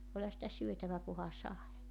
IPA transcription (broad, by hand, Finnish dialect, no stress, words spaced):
olʲhɑ sitæ syøtæʋæ kuhɑ sɑe